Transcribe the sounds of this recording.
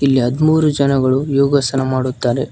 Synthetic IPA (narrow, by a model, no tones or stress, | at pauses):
ilːiɦɐd̪muːɾud͡ʒɐnɐɡɐɭujoːɡɐsɐnɐmaːɽut̪ːaːɾe̞